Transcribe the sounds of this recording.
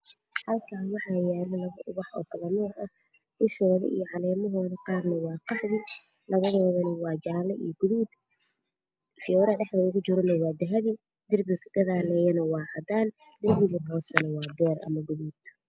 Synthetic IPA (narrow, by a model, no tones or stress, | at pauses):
hɐlkʰaːwɑħɑːjɛːlɐlɐβɐʔʊβɑħɔ̰ːkʰɐðɐnɔːrɐ | ʔʊʃɔːðɐ̰ʔḭjɔʕɑlɛːmɔɦɔːðɐqɑːrnɐwɑːqɑħðɪ | lɐβɐðɔːðɐnɪwɑːt͡ʃaːlɐʔḭjɡʊðuːd̪ | fɪjɔːɾɐɖɛħd̪ɐʊɣʊt͡ʃɪɾɔnɐwɑːd̪ɐɦɐβɪ | d̪ɪrbɪkʰɐ̥ɡɐðaːlɛːjɐnɐwɑːʕɑd̪aːn | d̪ɪrbɪɣɪhɔːsɐnɐwɑːd̪ɔːrʔɐ̰mɐɡʊðuːd̪ʰ